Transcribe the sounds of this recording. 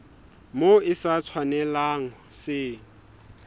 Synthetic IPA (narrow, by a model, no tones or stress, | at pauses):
moɪsat͡sʰwanɛlaŋ̩sɪ